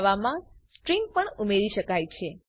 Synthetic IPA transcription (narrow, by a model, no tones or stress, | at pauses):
ʋamãsʈɾiŋɡ̚pəɳumeɾiʃəkajt͡ʃʰe